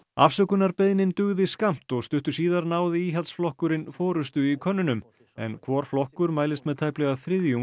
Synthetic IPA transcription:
a̰fsœkʏnaɾpeðnɪnt̪ʏɣðɪskam̥t̪ɔɣst̪ʏht̪ʏɾ̥siːðaɾnaːwðɪiːɦalt̪sflɔhkʏɾɪnfɔːɾʏst̪ʏikʰœnːʏnʏm | ɛ̰nkʰvɔːɾ̥flɔhkʏɾmaːjlɪst̪mɛðt̪ʰaːjplɛɣaθɾɪðju

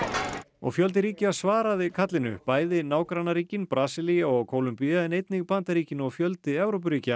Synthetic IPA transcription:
ɔ̰ɣfjœlt̪ɪɾiːcɪasvaːɾaðɪkʰat̪lɪnʏ̰paːjðɪnaːwkɾanaɾiːcɪnpɾaːsɪlijaɔɣkʰowlʏmpiaðɪnejt̪nɪɣpant̪aɾiːcɪnɔɣfjœlt̪ɪɛvɾowp̬ʏɾiːca

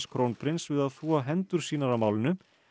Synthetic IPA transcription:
skʰɾownpʰɾɪnsvɪðaðθvɔɦɛnt̪ʏɾ̥siːnaɾamaːwlɪnʏ

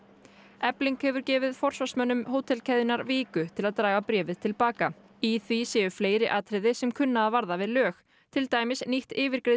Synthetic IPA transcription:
ɛpliŋkhɛvʏɾcɛːvɪðfɔr̥svḁsmœnːʏmɦoːwt̪ʰɛlcʰɛðɪnaɾviːkʏt̪ʰɪlaðt̪ɾaːjvapɾɛːvɪð̥t̪ʰɪlpaːka | iθvisɛːʏfleːjɾɪʔaːt̪ʰɾɪðɪsɛmkʰʏnːaðavaɾðavɪðlœːx | t̪ʰɪlt̪aːjmɪsniht̪ɪːvɪɾ̥kɾe

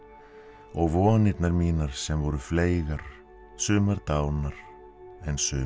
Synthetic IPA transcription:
ɔɣvɔːnɪt̪naɾmiːnaɾ̥sɛmvɔɾʏfleːjɣaɾ̥ | sʏːmaɾt̪aːwnaɾ̥ | ɛnsʏː

